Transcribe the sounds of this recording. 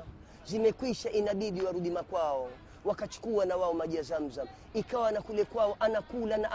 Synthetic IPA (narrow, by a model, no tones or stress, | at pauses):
zimɛkwiʃaʔinaɓiɗiwaɾuɗimakwaɔ | wakat͡ʃu̥kuwanawaɔmaʄiazam̩zam | ikawanakulɛkwaɔʔanakulanaʔ